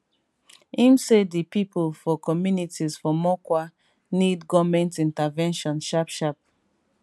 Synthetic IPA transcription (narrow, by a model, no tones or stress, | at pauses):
ĩmsedipipʰulfɔkɔmjunitʰizfɔmɔkwa | nidɡɔvmɛ̃ntĩntavɛ̃nʃɔ̃nʃapʃap̚